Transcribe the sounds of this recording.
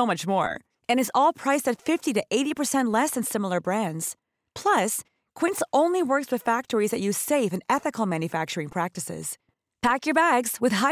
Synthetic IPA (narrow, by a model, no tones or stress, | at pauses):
oʊmʌt͡ʃmɔ̰ɹ | ɨ̃ñɨzɔlˠpʰɹ̥aɪstɨtfɪftiɾɨʔeɪɾipə˞sɛ̃nʔlɛsɨ̃nsɪ̃ml̩ˠə˞bɹæ̃ndz̥ | pʰl̥ʌs | kʰw̥ɪ̃ntsõʊ̃nliwɜ˞kswɨð̥fæk̚tə˞izðɨt͡ʃɨ̥seɪvɨ̃nɛθɨkl̩ˠmæ̃njɨfæk̚t͡ʃə˞ɪ̃ŋpʰɹ̥æk̚tɨsɪ̰z̥ | pʰækjə˞bæɡz̥wɨð̥ɦa